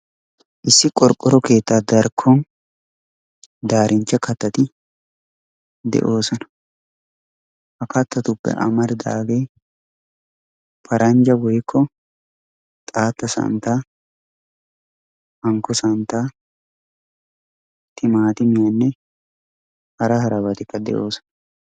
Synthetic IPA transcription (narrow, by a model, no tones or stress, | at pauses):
ʔɪsːɪkʼɔɾkʼːɔɾɔke̞ːt̪ːaːd̪ɐɾkʰːɔn | d̪aːɾʔɪnt͡ʃːɐkɐt̪ːɐt̪ɪ | d̪ɛ̰ʔo̞ːsɔnɐ̥ | hɐkɐt̪ːɐt̪ʊpːɛ̰ʔɐ̰mɐɾɪd̪a̰ːɡeː | pʰɐɾʔɐɲd͡ʒɐwɔjkːɔ | t̪ʼaːt̪ːɐsɐ̰nt̪a | hɐŋkːɔsɐnt̪a | t̪ːɪmaːt̪ɪmɪjanːɛ | hɐɾɐhɐɾɐbɐt̪ɪkːɐd̪ɛ̰ʔo̞ːsɔ̥nɐ